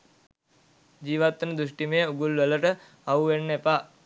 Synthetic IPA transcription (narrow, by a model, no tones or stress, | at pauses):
d͡ʒiːʋat̪ːənəd̪usʈimejəuɡulʋələʈə | auʋenːepaː